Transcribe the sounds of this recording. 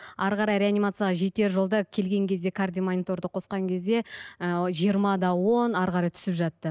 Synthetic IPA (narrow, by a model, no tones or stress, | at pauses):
ɑɾqɑɾɑjɾe̞anijmat̪sɨjaʁɑʒe̞t̪e̞ɾʒo̞lˠd̪əkʲʰe̞lɡʲe̞ŋkʲʰe̞zd̪e̞kʰard̪ʲijmanʲit̪o̞ɾd̪əqʰo̞sqɑŋkʲʰe̞zd̪e̞ | ʒijəɾmɑd̪ɑwo̞nɑɾqɑɾɑjt̪ʰʏ̥sɪpʒɑt̪ːə